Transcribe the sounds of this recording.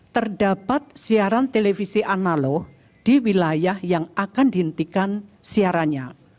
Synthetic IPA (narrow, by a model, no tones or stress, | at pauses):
t̪ərdapat̪̚siaɾant̪elefisiʔanalɔh | d̥iwilajahjaŋakandiɦənt̪ikansiaɾaɲa